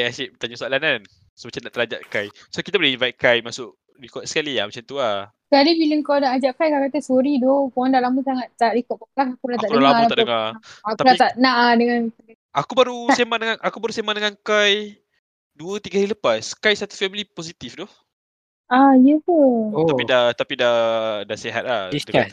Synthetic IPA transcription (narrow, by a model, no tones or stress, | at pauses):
ajasɛʔt̪aɲasualanan | somat͡ʃandaʔt̪əɾad͡ʒa̰ʔkaj | sokit̪abuleinvajt̪̚kajmasʊʔ | ɾikɔt̪sə̥kalia̰mat͡ʃamt̪uaskalibiləŋkawnaʔad͡ʒaʔkajkakat̪əsoɾidokɔandalamusaŋat̪ːaʔɾikɔʔ̚paklaɦakuɾat̪aʔdəalaaat̪aʔdəŋaak̪alat̪aʔnaʔadəŋan | akubaɾusemadəŋanʔakubaɾusemadəŋankaj | duət̪iɡailəpaskajsat̪u̥fɛmiliposit̪ifdɔh | ajət̪uapidat̪apidahdaseɦa̰t̪̚lahisə